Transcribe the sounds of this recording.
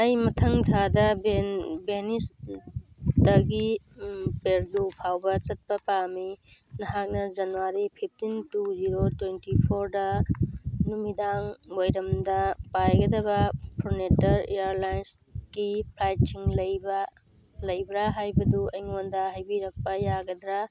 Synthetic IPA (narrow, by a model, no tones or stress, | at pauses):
ajmɐtʰɐŋtʰadɐbenbenis | dɐɡi | peɾɡupʰawbɐt͡ʃɐt̚pɐpami | nɐɦak̚nɐd͡ʒɐnuaɾipʰip̚ʰtintuziɾotwentipʰoɾdɐ | numidaŋwojɾɐmdɐpajɡɐdɐbɐpʰɾonetɐɾeaɾlajns | ɡ̥ipʰɾajt̚t͡ʃʰiŋlɐjbɐ | lɐjbɾaɦajbɐduɐjŋondɐɦajbiɾɐk̚pɐjaɡɐd̪ɾa